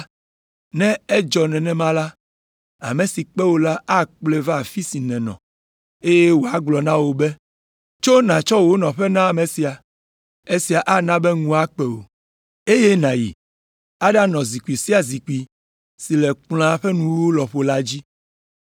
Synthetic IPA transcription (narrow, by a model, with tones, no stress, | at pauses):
nɛ̃˦e˦d͡ʒɔ˨nɛ̃˨nɛ̃˦mã˦la˦ | a̰˨mẽ˨si˨k͡pɛ˦wo˦la˦a˦k͡plɛ˦va˦˨fi˦si˨nɛ̃˨nɔ̰̃˨ | e˦je˦wo˨a˦ɡ͡blɔ˨nã˦wo˨bɛ˦ | t͡ʃo˦nã˨t͡ʃɔ˦wo˦nɔ̃˨ɸɛ˦nã˦a˨mẽ˨si˨a˨ | e˦si˨a˨ʔa˦nã˦bɛ˦ŋũ˦a˦k͡pɛ˨wo̰˨ | e˦je˦nã˨jḭ˨ | a˦ɖa˦nɔ̃˨zi˨ku˨i˨si˦a˨zi˨ku˨i˨ | si˨lɛ˨k͡pl̃ã˦ɸɛ˦nũ˦wo˦lɔ˨ɸo˨˦la˦d͡ʑi˦